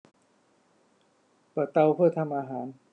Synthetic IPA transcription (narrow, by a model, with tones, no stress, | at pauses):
pa˨˩t̪a˧wpʰɯ˥˩ɐ˩t̪ʰa˧mʔaː˧ɦaː˩˦n